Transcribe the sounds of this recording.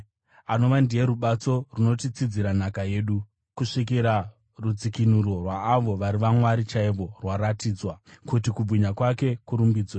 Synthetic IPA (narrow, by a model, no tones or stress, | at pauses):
ano̞ʋandije̞ɾuɓat͡so̞runo̞tit͡sid͡ziɾanakaje̞ːɗu | kuʂik̬iɾa | rud͡zikinuɾo̞rwaːʋo̞ʋaɾiʋamwaɾit͡ʃaiʋo̞rwaɾatiːd͡zwakutikub͡vuɲakwake̞kuɾumbiːd͡zwe